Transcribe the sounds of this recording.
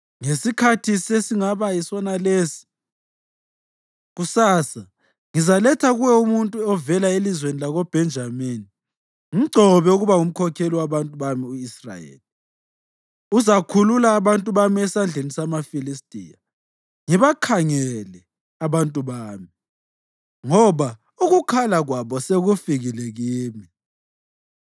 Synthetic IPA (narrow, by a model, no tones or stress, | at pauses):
ŋesikʰatʰisesiŋaβaisɔnalesi̥ | ɣusaːsa | ŋizalɛtʰaɣuwɛumuntʼuɔvɛlaelizwenilaɣob̥ʱɛnd͡ʒʱamini | ŋiǀʱɔβɛuɣuβaŋum̩kʰɔkʰeliwaβantʼuβamiuisra̰jḛːli | uzakʰululaːβantʼuβamiɛsand͡ɮʱenisamafilistʼḭja | ŋiβakʰaŋɛlɛ | aβantʼuβaːmi | ŋɔβa | uɣukʰalaɣwaβɔseɣufiɣileɣiːmi